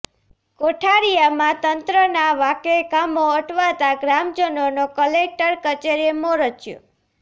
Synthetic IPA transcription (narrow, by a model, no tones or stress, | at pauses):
koʈʰaɾijamãt̪ənt̪ɾənaʋakekamoəʈʰʋat̪aɡɾamd͡ʒənonokəlek̚ʈəɾkət͡ʃeɾemoɾət͡ʃjo̰